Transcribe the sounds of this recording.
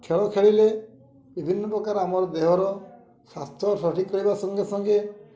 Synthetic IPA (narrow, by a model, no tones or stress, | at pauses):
kʰeɭɔkʰeɭile | bibʱinːɔpɔkaɾamɔɾɔd̪eɦɔɾɔ | sast̪ʰɔɾsʰɾɔʈikːɔɽibasɔŋɡesɔŋɡe